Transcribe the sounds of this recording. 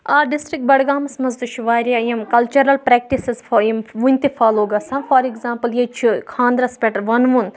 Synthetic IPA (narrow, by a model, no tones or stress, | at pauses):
aːɖisʈɾik̚ʈ̚bɐɽɡaːmɐsmɐzd̪ut͡ʃʰuʋaːɾʲiajɐmkɐlt͡ʃɐɾɐlpɾɛk̚ʈisezfjimʋunʲt̪ifaːloːɡɐsɐnfɐːɾiɡzãːmpɐljet͡ʃʰukʰãːnd̪ɾɐspʲeʈʋɐnʋun